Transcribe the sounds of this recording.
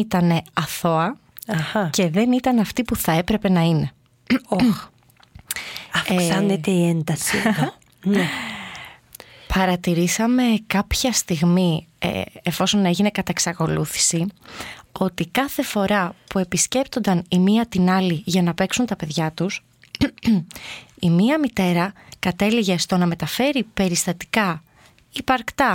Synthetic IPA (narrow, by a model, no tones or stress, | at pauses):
it̪ɐne̞ɐθo̞ɐ | ɐxɐce̞ðe̞nit̪ɐnɐft̪ipuθɐe̞pɾe̞pe̞nɐine̞ | ɐfksɐnet̪eiend̪ɐsið | ne | pɐɾɐt̪iɾisɐme̞kɐpçɐst̪iɣmiḛefo̞so̞ne̞ʝine̞kɐt̪ɐeksɐko̞luθi̥si | o̞t̪ikɐθe̞fo̞ɾɐpue̞pisce̞pt̪o̞nd̪ɐnimiɐt̪inɐliʝɐnɐpe̞ksunt̪ɐpe̞ðʝɐt̪us | imiɐmit̪e̞ɾɐkɐt̪e̞liʝest̪o̞nɐme̞t̪ɐfe̞ɾipe̞ɾist̪ɐt̪i̥kɐ | ipɐɾkt̪ɐ